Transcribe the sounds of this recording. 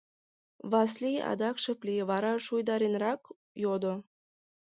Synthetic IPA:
βɑs̬liɑ̰d̪ɑkʃə̆plʲiβɑɾɑʃujd̪ɑɾenɾɑk | jod̪o

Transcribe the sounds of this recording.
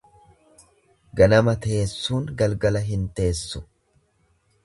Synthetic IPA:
ɡɐnɐmɐt̪e̞ːsːuːŋɡɐlɡɐlɐɦɪnt̪e̞ːsːʊ̥

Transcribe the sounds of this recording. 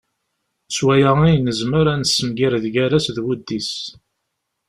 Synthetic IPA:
swæjəʁijnːəzməɾænəsːəmɡiɾðɡæɾæsðwud̪ːis

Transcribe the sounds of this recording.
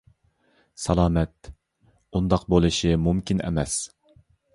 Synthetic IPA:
sɑlˠɑːmɛt̪̚ | und̪ɑqbolˠɨʃimumkʲinɛ̰mɛs

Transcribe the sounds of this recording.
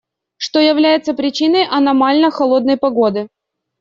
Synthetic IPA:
ʂt̪o̞jɪvlʲæjɪt̪səpɾʲɪt͡ɕinəjʔɐnɐmalʲnəxɐlˠo̞d̪̚nəjpɐɡo̞d̪ɨ

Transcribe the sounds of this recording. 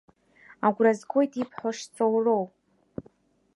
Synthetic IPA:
aɡʷrazɡʷojtʰʼipʰħʷaʂt͡sʰʼowrow

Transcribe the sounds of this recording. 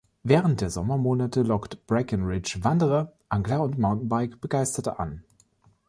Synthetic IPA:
vɛːʁənt̚d̥eːɐzɔmɐmoːnatəlɔktb̥ʁakənʁɪt͡ʃvandəʁəʔaŋɡlaʊntmaʊntn̩baɪkb̥əɡaɪstɐtəʔa̰n

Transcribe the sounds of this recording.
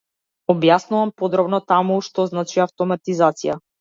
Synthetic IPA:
ɔbjasnuvampɔd̪ɾɔbnɔt̪amuʃt̪ɔznat͡ʃiaft̪ɔmat̪izat̪sija

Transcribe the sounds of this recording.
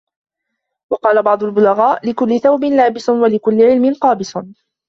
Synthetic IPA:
wɑqɑːlabɑʕd̪ˤʊlbʊlaɣaːʔlɪkʊlːɪθawbɪnlaːbɪsnwalɪkʊlːɪʕɪlmɪnqɑːbɪsˤʊn

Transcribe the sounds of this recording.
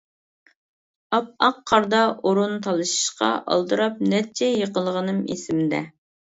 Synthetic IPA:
ɑp̚ɑqʰːɑɾd̪ɑʔoɾunt̪ʰɑlˠɨʃi̥ʃqɑ̰ʔɑ̰lˠd̪ɨɾɑp̚nɛt͡ʃʰɛjəqəlˠəʁənɨmḛsɪmɪd̪ɛ̰

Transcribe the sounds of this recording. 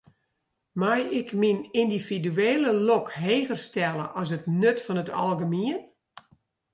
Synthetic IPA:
majɪkminindifidyeːləlɔkɦeːɣərstɛlˠə̰ʔɔs̬ətnøtfɔnəta̰lˠɣəmiən

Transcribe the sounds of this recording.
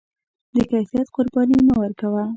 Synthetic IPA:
d̪əkajfijat̪qʊɾbɑnimawəɾkawa

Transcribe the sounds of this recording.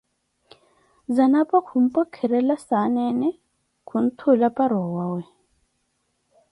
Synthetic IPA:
zanapʼakʰum̩pʼɔkʰɛɾɛlasanɛnɛ | kʰun̩t̪ʰulapʼaɾɔwawɛ

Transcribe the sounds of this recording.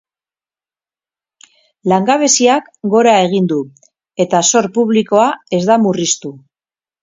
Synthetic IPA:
laŋɡaβ̞e̞siak | ɡo̞ɾae̞ɣ̞ind̪u | e̞t̪aso̞ɾpuβ̞liko̞ae̞zd̪amurist̪u

